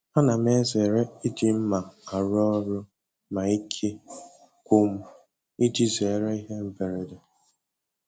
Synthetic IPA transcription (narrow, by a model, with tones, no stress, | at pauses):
a˦na˨m˦e˦ze˨ɾe˦i˦di˦m̩˦ma˨a˨ɾɔ˦ɾʊ˦ | ma˨i˦kʰe˦ | kʷo˦m̩˦ | i˦di˦ze˨ɾe˦i˦ɦe˦m̩˦be˨ɾe˨de˨